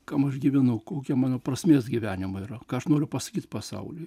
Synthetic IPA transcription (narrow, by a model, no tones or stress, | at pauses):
kɐmɐʃɡʲiʋʲɪnʊkoːkʲiɛmɑːnoːprɐsʲmʲeːsɡʲɪʋʲæːnʲɪmɐiːɾɐkɑːɐʃnoːɾʲʊpɐsɐ̥kʲiːt̪pɐsɐ̰ʊlʲʊ